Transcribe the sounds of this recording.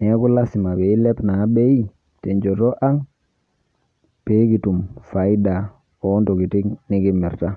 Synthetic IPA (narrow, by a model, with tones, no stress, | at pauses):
ni˨ja˦ku˦la˦si˨ma˨be˨i˦le˦pna˨˦be˦i˦ | te˨ɲd͡ʒo˨to˦ʔa˦ŋ | pe˨˦ki˨tu˨mfa˨i˦da˨ | o˨˦nto˨ki˨ti˦kni˦ki˦mi˨ɾta˦